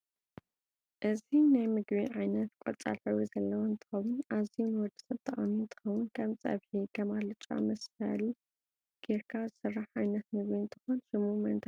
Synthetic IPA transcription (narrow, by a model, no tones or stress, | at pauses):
ʔɨzinajmɨɡβiʕajnɐt̪kʷʼɔ̰t͡sʼa̰lħɐwizɐlːɐwoɨnt̪ʰɨ̥xɐwːʊnʔaziunwɔd̪ɨ̥sɐβt̪ʰʼɐχʼamiɨnt̪ʰɨ̥xɐwʊnkʰɐmt͡sʼɐ̰βħikʰɐmalɨt͡ʃʼa̰mɐsfɐ̰li | ɡ̥eɾkʰazɨsɨrːaħʕajnɐt̪mɨɡβiɨnt̪ʰɨ̥xonsɨmumɐnt̪ʰa